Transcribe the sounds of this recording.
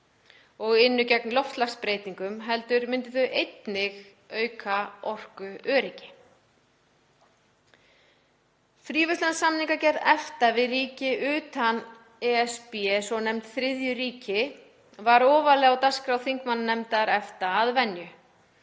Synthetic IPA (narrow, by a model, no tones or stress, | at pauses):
ɔɣɪnːʏcɛk̚nlɔft̪laxspɾeːjt̪iŋkʏmɦɛlt̪ʏɾmɪnt̪ɪθʏʔejt̪nɪɣ | œːɥkʰaɔr̥kʏœːɾɪcɪ̥ | θɾiːvʏslansamniŋkacɛɾðɛft̪avɪðriːcɪʔʏːt̪an | ɛɛspiɛsɔnɛmt̪θɾɪðjʏɾiːcɪ | vaɾɔːvalɛɣawt̪askɾawθiŋkmanːnɛmt̪aɾɛft̪aːðvɛnjʏ